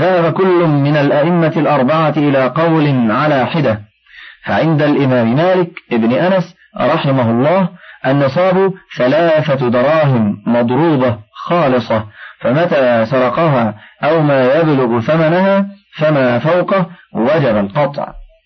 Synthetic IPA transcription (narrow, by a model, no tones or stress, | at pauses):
ðahabakʊlːʊmɪnalʔaʔɪmːalʔɑɾˤbɑʕat̪ʔɪlaːqɑwlɪnʕalaːħɪd̪a | faʕɪnd̪alʔɪmaːmɪmaːlɪkʔɪbnɪʔanas | ɾˤɑħɪmahʊlˤːɑːhʔanːɑsˤɑːbuθalaːθad̪ɑɾˤɑːɦɪmːɑd̪ˤɾuːbɑxɑːlɨsˤɑfamat̪aːsɑɾˤɑqɑɦaːʔawmaːjablʊɣθamanhaːfamaːfawqɑwad͡ʒabalqɑt̪ˤʕ